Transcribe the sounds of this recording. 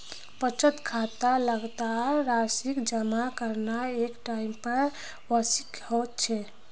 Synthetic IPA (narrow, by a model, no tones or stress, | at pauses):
pət͡ʃət̪kʰat̪aləɡt̪aɾasikd͡ʒəmakəɾnaekʈaimpəɾ | wəsikhot̪̚t͡ʃʰɛ